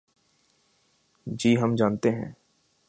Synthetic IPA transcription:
d͡ʒiːɦɐmd͡ʒaːnt̪eɦɛ̰̃ː

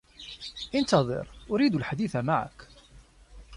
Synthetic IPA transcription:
ʔɪnt̪ɑðˤɨ̰ɾʔʊɾiːd̪ʊlħad̪iθamaʕa̰k

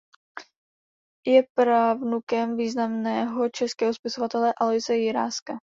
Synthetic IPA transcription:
jɛpɾaːvnukɛmviːznamnɛːɦo̞t͡ʃɛskɛːɦospɪsovat̪ɛlɛʔalojsɛjɪɾaːska

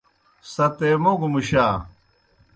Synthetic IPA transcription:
sɐt̪emoɡumuɕaː

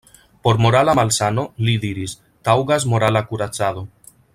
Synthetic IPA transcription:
poɾmoɾalamalsanoliðiɾis | t̪awɣazmoɾalakuɾat͡sað̞o

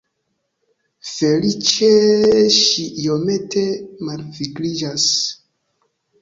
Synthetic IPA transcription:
fe̞lit͡ʃeʃiʔiome̞tʰe̞malviɡɾid͡ʒas

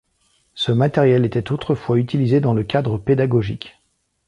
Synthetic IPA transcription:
səmat̪ɛʁjɛlet̪ɛt̪ot̪χəfwayt̪ilized̪ɑ̃ləkʲad̪ʁəped̪aɡɔʒikʲ

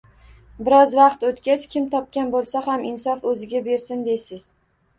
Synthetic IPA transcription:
bɪɾɒzvɑqt̪ot̪kʲat͡ʃʰkʲʰɪmt̪ʰɒp̚kʲanbolˠsahamɪnsɒfɵzɪɡʲabe̞ɾsɪnd̪esɪz̥

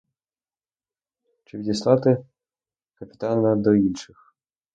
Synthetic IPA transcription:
t͡ʃɪidʲɛslˠat̪ɨ | kɐpʲi̥t̪anɐd̪ɔinʂɨx

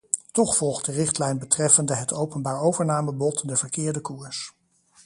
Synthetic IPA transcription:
tɔχfɔlˠχt̚dərɪχtlɛjnbətrɛfəndəɦətʰowpənbaːɹowvəɹnaːməbɔtdɛɹvəɹkɪːɹdəkuːɹs

